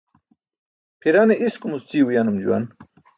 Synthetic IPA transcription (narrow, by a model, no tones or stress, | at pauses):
pʰiɾaneʔiskumust͡siːwujanumd͡ʑṵwa̰n